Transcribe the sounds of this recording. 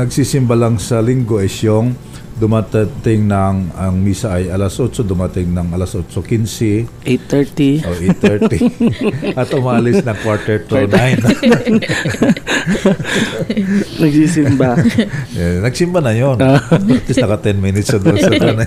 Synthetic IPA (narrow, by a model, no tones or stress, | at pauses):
nɐɡsiːsɪmbalɐŋsɐlɪŋɡoʔɛsjoŋ | d̪ʊmat̪t̪ɪŋnɐŋɐŋmiːsɐɐjʔɐlasʔot͡ʃod̪ʊmat̪ɪŋnɐŋʔɐlasʔot͡ʃokinsɪʔet̪ːɛɹt̪iʔoʔɛt̪ːɛɹti | ʔɐt̪ʔʊmaʔalɪsnɐŋkwaɹt̪ɛɹt̪ʊnajn | nɐɡsisɪmba | nɐɡ̚sɪmbanɐjont̪ɪsnɐkɐt̪ɛnminɪt̪sɐd̪osanɐ